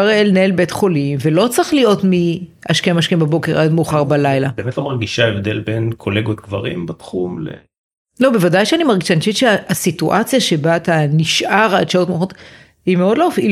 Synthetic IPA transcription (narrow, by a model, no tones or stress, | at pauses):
aʁelneelbetχo̞limvelo̞t͡sʁaχlijo̞tmiaʃkemaʃkembabo̞ke̞ʁad̪meuχaʁbalajlabemet̪amaʁɡiʃaevd̪elbenkʰoleɡot̪̚ɡva̰ʁḭmbat̪χumlḛ | lo̞be̞vadajʃeanimaʁɡiʃaniʃitʃeaasituʔat͡sjaʃe̞baːt̪aniʃʔaʁadʃaotmeuχot | himeo̞dloofi